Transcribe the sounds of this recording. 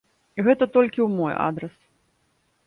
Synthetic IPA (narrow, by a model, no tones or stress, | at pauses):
ɣɛt̪ɐt̪ɔlʲkʲiwmɔja̰d̪ɾɛs